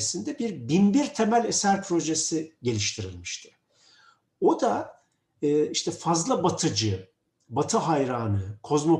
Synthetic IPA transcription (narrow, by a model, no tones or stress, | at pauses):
sind̪ɛbiɾbinbiɾt̪ʰe̞mælʲesæɾpʰɾo̞ʒesiɟe̞lʲiʃt̪ʰiɾḭlʲmiʃt̪ʰɪ̥ | o̞d̪aː | iʃt̪ʰɛfazlˠabat̪ʰɯd͡ʒɯ | bat̪ʰɯɦajɾaːnɯkʰo̞zmo